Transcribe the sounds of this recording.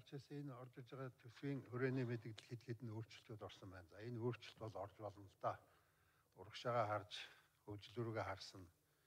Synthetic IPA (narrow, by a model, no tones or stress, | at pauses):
rt͡ɕʰeːseenɔrt̪ɪ̆rt͡ɕɪʁaːt̪ʰɵswiːŋxɵɾeːniːmet̪ɘ̆ɣt̪ɘ̆ɮxet̪xet̪ɘ̆noːr̥t͡ɕɪ̥̆ɬt̪uːt̪ɔrsɞ̆mpæːnt͡saenoːr̥t͡ɕɪ̆ɬt̪pɔɮɔrt͡ɕpɔɮɞ̆nə̆ɬt̪aː | ʊɾə̆kʃaːʁaːχart͡ɕ | xɵkt͡ɕɪ̆ɮuɾuɣeːχarsə̆n